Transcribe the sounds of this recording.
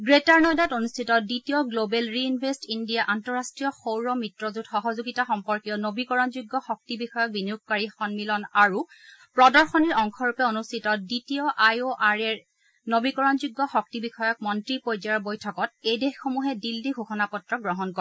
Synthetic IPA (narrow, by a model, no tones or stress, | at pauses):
ɡɹetaɹnɔjdatonustʰitɔditiɔɡlobɛlɹiinbʱestindijaʔantɔɹastɹijɔxowɹɔmitɹɔzudxɔɦɔzuɡitaxɔmpɔɹkijɔnobikɔɹɔnzuɡːɔxɔk̚tibixɔjɔk̚biniuk̚kaɹixɔnmilɔnaɹu | pɹɔdɔɹxɔniɹɔŋkʰɔɹupɛonustʰitɔditiɔʔajoʔaɹɛɹ | nobikɔɹɔnzuɡːɔxɔk̚tibixɔjɔk̚mɔntɹipojzaɹbojtʰɔkɔtejdexxomuɦɛdildiɡʱuxɔnapɔtɹɔɡɹɔɦɔnkɔɛ